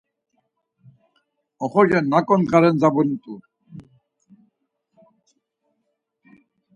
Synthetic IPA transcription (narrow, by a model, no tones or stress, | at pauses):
ɔχɔd͡ʒɛnːakɔnkaɾɛnd͡zabɔnit̪ʼu